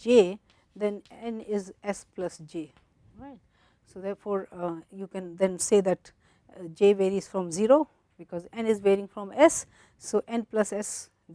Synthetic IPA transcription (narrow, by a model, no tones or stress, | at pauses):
d͡ʒeː | d̪ɛ̃nɛ̃nɪzɛsplʌsd͡ʒeː | ɾaɪʈ | soːd̪ɛːɾfɔːɾjuːkɛ̃nd̪ɛ̃nseːd̪æʈ | d͡ʒeːʋeːɾiz̥fɾɔ̃mziɾoː | bɪkɔːzɛ̃nɪzʋeːɾɪ̃ŋfɾɔ̃mɛsː | oːʔɛ̃nplʌsɛs